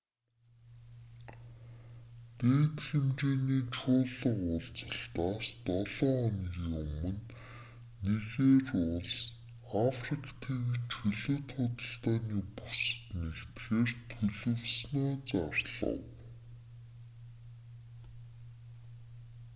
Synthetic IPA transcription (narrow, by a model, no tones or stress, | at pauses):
t̪eːt̪ɮɘ̆mt͡ɕeːniːt͡ɕʰʊːɮə̆qʊɮt͡sə̥̆ɬt̪aːst̪ɔɮ̥ɔːɔniɣiɵmɵ̆nː | eɣeːrʊɮs | afrikʰt̪ʰiːŋt͡ɕʰɵɮɵ̆ːt̪χʊt̪ə̆ɬt̪aːniːpus̆t̪nekt̪xeːrt̪ʰɵɮɵ̆wsnaːt͡sarɮ̥ə̰̆w